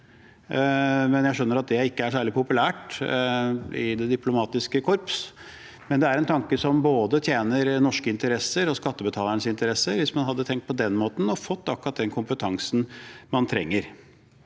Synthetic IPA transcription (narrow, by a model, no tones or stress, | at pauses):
mɛnjæɪʂœnːəɾɑt̪̚d̪ɛɪkːəæʂæːɭɪpʊpʉlæːʈ | ɪd̪ɛd̪ɪplʊmɑːt̪ɪskəkʰɔɾps | mɛnd̪ɛæɾɛnt̪ʰɑŋkəsɔmboːd̪ət̪ʰjeːnəɾnɔʂkəɪnt̪əɾɛsːəɾɔskɑt̪ːəbət̪ʰɑːləɳəsɪnt̪əɾɛsəɾʋɪsmɑnɦɑd̪ːət̪ʰɛŋkt̪̚pʰɔd̪ɛnmoːt̪n̩ɔfɔt̪ːɑkɾɑt̪̚d̪ɛnkʰʊmpət̪ʰɑŋsn̩mɑnt̪ʰɾɛ̰ŋːəɾ